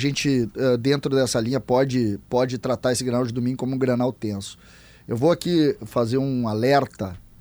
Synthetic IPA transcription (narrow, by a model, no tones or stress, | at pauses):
ʒẽnt͡ʃɪɛd̪ẽnt̪ɾʊd̪ɛsɐlĩɲɐpɔd͡ʒɪpɔd͡ʒɪt̪ɾat̪aɾesɪɡɾɐnawd͡ʒɪd̪omĩɲʊkõmʊũɡɾɐnawt̪ẽsʊ̥ | ewvoakifazeɾũalɛɾt̪ɐ